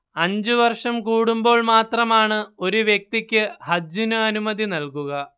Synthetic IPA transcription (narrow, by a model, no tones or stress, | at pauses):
ɐɲd͡ʑɨʋɐrʂɐmkuːɽumbo̞ːɭmaːt̪rɐmaːɳɨo̞ɾuʋjek̚t̪ikʲːɨhɐd͡ʑunɐɐnumɐðinɐlkuɣɐ